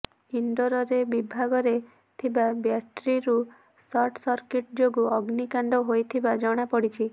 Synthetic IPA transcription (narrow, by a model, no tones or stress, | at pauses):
iɳɖɔɾɔɾebibʱaɡɔɾe | t̪ʰibabjaʈɾiɾu | sɔɾʈsɔɾkiʈd͡ʒoɡuɔɡnikaɳɖɔɦojt̪ʰibad͡ʒɔɽ̃apɔɽit͡ʃʰi